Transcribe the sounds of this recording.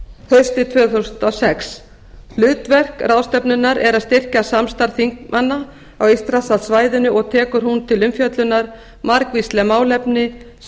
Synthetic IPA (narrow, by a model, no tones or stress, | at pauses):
hest̪ɪt̪ʰvœːθowsʏnt̪ɔsɛks | lʏːt̪vɛr̥kraːwst̪ɛpnʏnːaɾʔɛɾaðst̪ɪr̥casamst̪aɾθiŋkmʔanːa | awist̪ɾasasvaːjðɪnʏʔɔɣt̪ʰɛːkʏɾ̥hunt̪ʰɪlʏmfjœt̪lʏnaɾ̥ | maɾkvist̪lɛmaːwlɛpnɪ